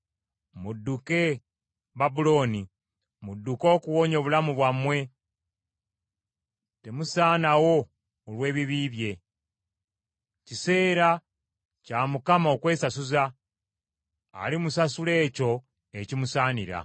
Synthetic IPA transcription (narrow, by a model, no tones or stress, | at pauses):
mudːuke̞ | βabulo̞ːni | mudːuko̞ːkuwo̞ːɲo̞βulamuβwamwe̞ | te̞musaːnawo̞ː | lwe̞ːβiβiːβje̞ | cise̞ːɾa | caːmukamao̞kwe̞ːsasuza | limusasule̞ːco̞ | ecimusaːniɾa̰